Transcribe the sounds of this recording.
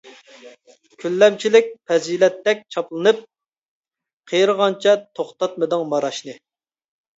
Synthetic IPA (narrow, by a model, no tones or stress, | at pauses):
kʲʰylːɛmt͡ʃʰilɪk̚ʲpʰɛzilɛt̪ːɛk̚ʲt͡ʃʰɑplˠɨnɨp̚ | qʰejɾʁɑnt͡ʃʰɛt̪ʰoχt̪ɑt̪̚mɨd̪ɨŋmɑɾɑʃnɨ